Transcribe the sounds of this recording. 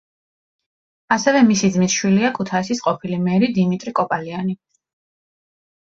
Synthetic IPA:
asɛvɛmisid̪zmit̪ʃwiliakʰut̪ʰaisisqʼɔpʰilimɛɾid̪imit̪ʼɾikʼɔpʼaliani

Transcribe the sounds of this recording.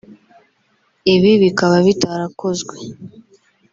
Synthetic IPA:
iβiβikaβaβitaɾakozɡwe

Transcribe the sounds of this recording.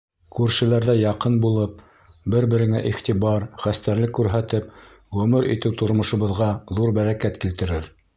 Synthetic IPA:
kʉɾʃɘ̆læɾðæjɑqɤnbulˠɤp̚ | bɘɾbɘ̆ɾɘ̆ŋæʔiχt̪ibɑɾχæst̪æɾlɘkːʉɾɦæt̪ɘp | ʁʉmɘɾʔḭt̪ɘwt̪ŏɾmŏʃŏβɤ̆ðʁɑðuɾbæɾækæt̪kilt̪ɘ̆ɾɘɾ

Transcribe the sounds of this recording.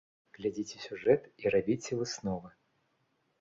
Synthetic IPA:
ɣlʲad͡zʲit͡sʲɪsʲuʐɛt̪irabʲit͡sʲɛvɨsnɔvɐ

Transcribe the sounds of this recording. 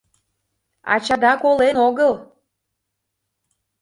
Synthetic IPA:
ɑ̰t͡ɕɑd̪ɑkolenoɣəl

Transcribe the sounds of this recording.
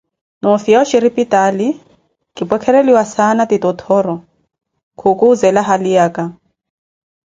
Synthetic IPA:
nɔfiaʃiɾipitali | kɪpwɛkʰɛɾeliwasanatɪtɔtʰɔɾɔ | kʰʊkʊːzɛlaɦaliaːkʼa

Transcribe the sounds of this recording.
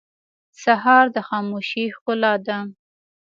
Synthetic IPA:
saɦɑɾd̪əxɑmoʃihqʊlɑd̪a

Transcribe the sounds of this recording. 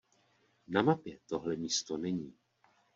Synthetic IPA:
namapjɛt̪o̞ɦlɛmiːst̪o̞nɛɲiː

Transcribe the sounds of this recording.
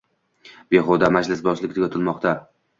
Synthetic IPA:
b̥e̞χɒd̪amad͡ʒlɪsbɒzlɪkʲd̪ɪɡʲɒt̪ʰɪlmɒqt̪ʰa

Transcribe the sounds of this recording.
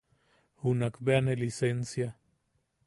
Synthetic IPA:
hunakbeanelisensja

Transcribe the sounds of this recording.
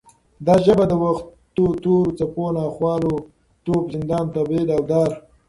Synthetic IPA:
d̪ɑːʒəbad̪əwaxt̪ot̪oɾt͡saponɑxwɑːlo | t̪opzɪnd̪ɑːnt̪abed̪awd̪ɑɾ

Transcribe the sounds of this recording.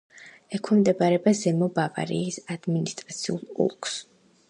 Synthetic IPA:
ɛkʰimd̪ɛbaɾɛbazɛmɔbava̰ɾḭːsad̪̥minist̪ʼɾat̪sʰiṵlˠṵlˠkʰʼs

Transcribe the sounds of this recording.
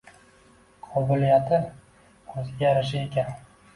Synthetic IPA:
qʰɒbʊlijat̪ʰɪ | ɵzɪɡʲaɾɪʃ̬ɪe̞kʲʰan

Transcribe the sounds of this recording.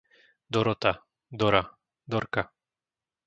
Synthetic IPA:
d̪ɔɾɔt̪a | d̪ɔɾa | d̪ɔɾka

